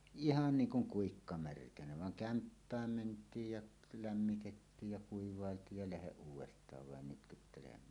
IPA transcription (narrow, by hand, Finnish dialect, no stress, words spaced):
ihɑn niːŋ kuŋ kuikːɑ mærkænæ ʋɑŋ kæmpːæːm mentˑiːj jɑʔ læmːitetːiːj jɑ kuiʋˑɑˑeltˑiːj jɑ læheʔ ʔuːwˑestˑɑːʋ ʋɑˑen nytkytːelemˑæːn